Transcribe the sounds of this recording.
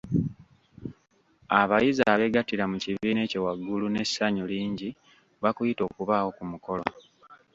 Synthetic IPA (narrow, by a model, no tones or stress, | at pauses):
aβajizaːβe̞ɡatiɾamuciβiːne̞ːciwaɡːulune̞ssaɲuliːɲɟi | βakujito̞ːkuβaːwo̞kumuko̞lo̰